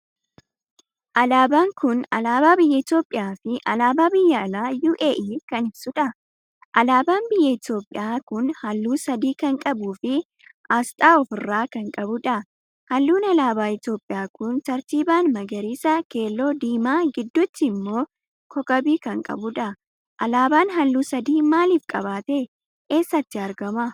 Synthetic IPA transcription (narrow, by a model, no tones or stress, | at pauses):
ʔɐlaːbaːŋkʊnɐlaːbaːbɪjːɐɪt̪jo̞ːpʼːɪjaːfɪʔɐlaːbaːbɪjːɐɐlaːjuːʔeːʔiːkɐnɪbsʊᶑɐ | ʔɐlaːbaːnbɪjːɐɪt̪jo̞ːpʼːɪjaːkʊnhɐlːuːsɐd̪iːkɐŋkʼɐbuːfɪ | ʔaːst̪ʼaːɔfɪrːaːkɐŋkʼɐbʊᶑɐ | hɐlːuːnɐlaːbaːɪt̪jo̞ːpʼːɪjaːkʊnt̪ɐɾt̪iːbaːnmɐɡɐɾiːsɐke̞ːlːoːd̪iːmaːɡɪd̪ːʊt̪ːɪɪmːo̞ː | kɔkʼɐbiːkɐŋkʼɐ̰bʊᶑɐ | ʔɐlaːbaːnɦɐlːuːsɐd̪iːmaːliːfkʼɐβaːt̪ɛ | ke̞ːsːɐt̪ːɪɐɾɡɐmɐ